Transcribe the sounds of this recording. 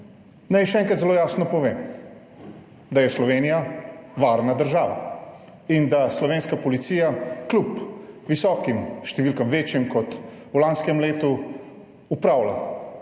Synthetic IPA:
najʃɛɛŋkɾat̪zɛloːjaːsnɔpɔʋeːm | d̪ajɛslɔʋeːnijaʋaɾnad̪əɾʒaːʋa̰ | ind̪aslɔʋeːnskapɔlit̪siːjaklupʋisɔːkimʃt̪ɛʋiːlkɐmʋeːt͡ʃjɛmkɔt̪ulanskɛmleːt̪u | upɾaːwla̰

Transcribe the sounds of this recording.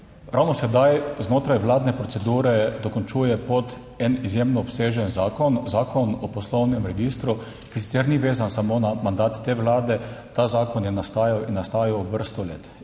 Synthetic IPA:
ɾawnɔsɛd̪ajznoːt̪ɾajʋlaːd̪nɛpɾɔt̪sɛd̪uːɾɛd̪ɔkɔnt͡ʃuːjɛpɔt̪ | ɛnizjemnɔːpseːʒɛnzaːkɔnzaːkɔnɔpɔslɔwnɛmɾɛɡist̪ɾu | kis̬i̥t̪sɛɾniʋeːzansamonamand̪aːt̪ːeːʋlaːd̪ɛt̪azaːkɔnjɛnast̪aːjawinːast̪aːjauʋəɾst̪ɔlḛːt̪

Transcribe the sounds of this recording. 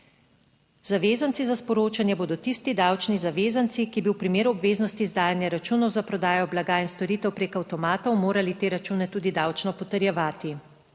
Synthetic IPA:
zaʋeːzantsizaspɔɾoːt͡ʃanjɛboːd̪ɔt̪ist̪id̪awt͡ʃnizaʋeːzant̪sikibiwpɾimeːɾuɔbʋeːznɔst̪iːzd̪aːjanjaɾat͡ʃuːnɔwzapɾɔd̪aːjɔblaɡaːinst̪ɔɾit̪ɛwpɾeːkawt̪ɔmaːt̪ɔwmoːɾalit̪eːɾat͡ʃuːnɛt̪uːd̪id̪awt͡ʃnɔpɔt̪əɾjɛʋaːt̪i

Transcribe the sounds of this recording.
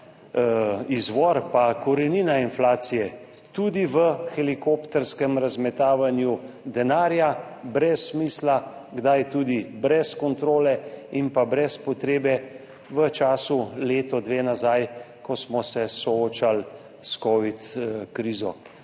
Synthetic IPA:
izʋɔɾpakɔɾɛniːnainflaːt̪sijɛ | t̪ud̪iʋəxɛlikopt̪ɛɾskɛmɾazmɛt̪aːʋanju | d̪ɛnaːɾja | bɾɛsːmiːsla | ɡd̪ajt̪uːd̪ibɾɛskɔnt̪ɾoːlɛinpabɾɛspɔt̪ɾeːbɛ | ʋət͡ʃaːsuleːt̪ɔd̪ʋeːnazajkɔsmɔsɛsɔoːt͡ʃal | skɔʋit̪kɾiːzɔ

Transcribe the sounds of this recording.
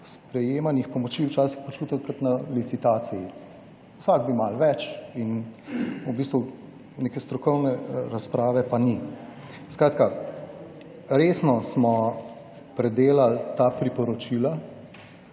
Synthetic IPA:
spɾɛjeːmanixpɔmɔt͡ʃiːwt͡ʃaːsixpot͡ʃuːt̪at̪kat̪nalit̪sit̪aːt̪siji | wsaɡ̚bimalʋɛt͡ʃin | ubist̪ʋu | neːkɛst̪ɾɔkɔwnɛɾaspɾaːʋɛpani | skɾaːt̪ka | ɾeːsnɔsmɔ | pɾɛd̪eːlalt̪aːpɾipɔɾɔt͡ʃila

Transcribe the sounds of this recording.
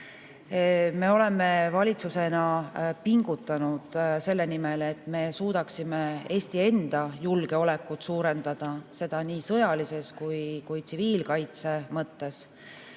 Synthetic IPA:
me̞o̞le̞me̞vɑlʲit̪suse̞nɑpiŋɡ̥ut̪ːˑɑnud̪̥se̞lːe̞nimele̞t̪ːˑme̞ːsuːd̪̥ɑksime̞e̞ːsʲt̪ie̞nd̪̥ɑjulɡ̥e̞o̞le̞kːˑut̪suːɾe̞nd̪̥ɑd̪̥ɑse̞d̪̥ɑniːsɤ̞jɑlise̞skujkujt̪siviːlkɑjt̪se̞mɤt̪ːe̞s

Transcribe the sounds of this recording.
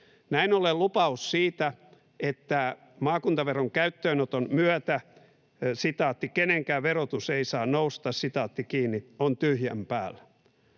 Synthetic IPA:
næinolelupɑussiːt̪æ | et̪ːæ | mɑːkunt̪ɑʋeroŋkæyt̪ːøːnot̪onmyæt̪æ | sit̪ɑːt̪ːikeneŋkæːʋerot̪useisɑːnnoust̪ɑssit̪ɑːt̪ːikiːnːiont̪yhjæmpæːlːæ̥

